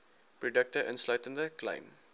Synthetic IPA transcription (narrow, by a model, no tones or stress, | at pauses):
prodək̚təʔənslɐɥtəndəklɐ̰jm